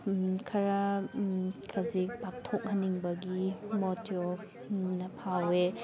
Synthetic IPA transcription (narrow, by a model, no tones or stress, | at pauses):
kʰɐɾɐ | kʰɐzik̚pak̚tʰok̚hɐnːiŋbɐɡimotiɔp | nɐpʰawe